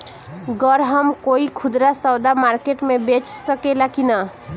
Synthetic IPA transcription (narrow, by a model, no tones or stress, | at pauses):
ɡəɾɦəmkoikʰud̪ɾasəwd̪amaɾkeʈmebet͡ʃsəkelakinə